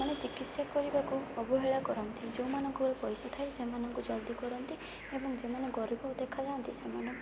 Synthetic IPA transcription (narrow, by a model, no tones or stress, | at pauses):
anet͡ʃikit̪sjakɔɾibakuɔbɔɦeɭakɔɾɔnt̪id͡ʒoumanɔŋkɔɾɔpɔjsɔt̪ʰaesemanɔŋkud͡ʒɔd̪ikɔɾɔnt̪i | ebɔŋd͡ʒemaneɡɔɾibɔkud̪ekʰad͡ʒaɔnt̪isemanɔ̃